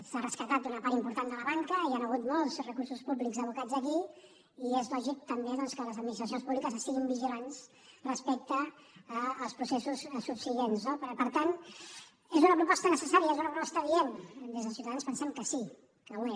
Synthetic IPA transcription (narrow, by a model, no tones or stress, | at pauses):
sarəskət̪at̪̚d̪unəpaɾt̪impuɾt̪and̪ələβaŋkəianəɣ̞ut̪mɔlˠzrəkuɾsuspuβlikzəβ̞ukad͡zəki | iezlɔʒik̚t̪əmbeðɔnskələzəd̪minist̪ɾəs̬ionspuβlikəzəst̪iɣimbiʒilans | rəspɛk̚t̪əː | lˠspɾusesussupsiʎenznopəɾpəɾt̪an | ezunəpɾupɔst̪ənəsəsaɾiəezunəpɾupɔst̪əβiend̪ezðəlsiwt̪aðanspənsɛmkəsi | kəwe